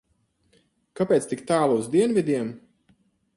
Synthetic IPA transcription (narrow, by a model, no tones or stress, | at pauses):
kapʲɛːt̪st̪ikt̪aːlˠuzd̪iɛnvʲid̪ʲiɛm